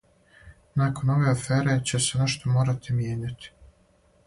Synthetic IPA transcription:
nako̞no̞ʋe̞afeːɾe̞t͡ɕe̞se̞neʃt̪o̞mo̞ːɾat̪imjeːɲat̪i̥

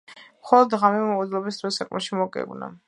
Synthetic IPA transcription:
mχɔlˠɔd̪ʁamɛmɔd̪lˠɔbisd̪ɾɔsakʼmɛʃimɔkʼɛ̰ɡna̰

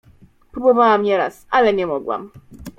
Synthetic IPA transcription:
pɾubɔvawamɲɛɾa̰sʔalɛɲɛmɔɡwa̰m

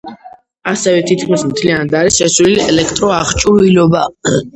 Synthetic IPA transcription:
asɛvɛt̪ʰit̪̚ʰkʰmismt̪ʰlianad̪aɾisʃɛsliliɛlɛkʰt̪ʼɾɔaχt͡ʃʼuɾilɔba

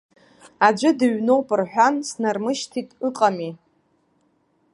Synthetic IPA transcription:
ad͡ʒʷɨdɨɥno̞wpʼɨrħʷᶣansnarmɨʃtʰitʼɨqʼami

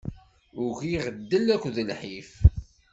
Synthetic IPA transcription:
ʊɣiʁəd̪ːəlækʷːðəlħif

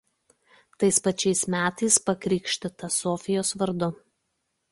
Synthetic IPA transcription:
t̪ɐɪspɐt͡ʃʲɛɪsmʲæːt̪ɐɪspɐkɾʲiːkʃʲt̪ʲɪt̪ɐsɔːfʲɪjoːsʋɐɾd̪ʊ

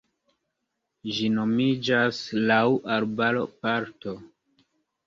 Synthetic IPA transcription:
ʒino̞mid͡ʒaslawʔaɾbaɾopaɾto̞

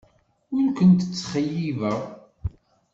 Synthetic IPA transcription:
ʊɾkʷənt̪ət͡sːχəjːivəʁ

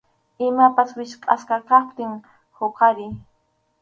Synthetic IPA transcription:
ɪmapaswɪʃqʼa̰skɑkɑχt̪ɪŋ | hoqaɾɪ

